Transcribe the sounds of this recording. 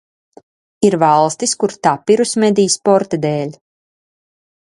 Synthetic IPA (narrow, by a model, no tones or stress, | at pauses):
iɾvɑlˠst̪iskuɾt̪apiɾusmed̪ijspɔɾt̪ad̪eːlʲ